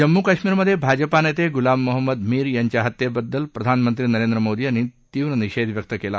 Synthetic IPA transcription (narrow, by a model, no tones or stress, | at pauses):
d͡ʒɐmːukɐʃmiːɾɐmɐd̪ʱebʱaːd͡ʒɐpaːnɐt̪eɡulaːmːuɦɐmːɐd̪miːɾjɐɲt͡ʃɐɦɐt̪jebɐd̪ːɐlpɾɐd̪ʱaːnɐmɐnt̪ɾinɐɾeːnd̪ɾɐmoːd̪iɐnit̪iːʋɾɐniʃeːd̪ʋjɐk̚t̪ɐkeːla